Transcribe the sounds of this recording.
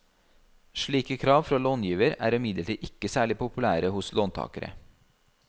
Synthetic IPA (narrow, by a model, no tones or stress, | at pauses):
ʃɭiːkəkʰɾɑːʋfɾɑːloːnjiːʋəɾæ̰ːɾɪmɪd̪ləʈiːʔɪkəsæːɭɪpʊpʉlæːɾəhʊsloːnt̪ʰɑ̰ːkəɾə̰